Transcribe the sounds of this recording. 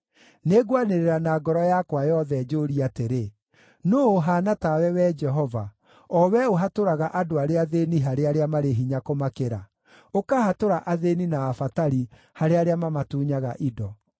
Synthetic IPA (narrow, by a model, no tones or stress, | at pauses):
neɡwaneɾeɾanaːɡɔɾɔjakwajɔðɛd͡ʒoːɾiateɾe | noːɦaːnatawɛwɛd͡ʒɛɦɔva | ɔwɛoɦatoɾaɣaʔadoaɾeaðeniɦaɾeaɾeamaɾeɦiɲakomakeɾa̰ | okahatoɾaʔaðeninaːfataɾi | haɾeaɾeamamatuːɲaɣaʔidɔ